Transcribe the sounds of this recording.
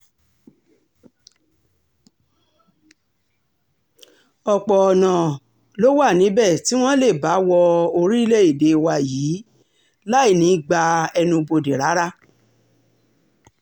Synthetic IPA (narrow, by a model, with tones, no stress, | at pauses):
ɔ˧˨k͡pɔ˨ɔ˨nã˨ | lo˦wa˦˨nĩ˨˦bɛ˦˨ti˨˦w̃ɔ̃˦le˦˨ba˨˦wɔ˧o˧ɾi˦i˦le˦i˦˨de˨˧i˧wa˧jiː˨˦ | la˦i˦˨nĩ˨˦ɡ͡ba˧ɛ˧nũ˧bo˧˨de˨ɾa˨˦ɾa˦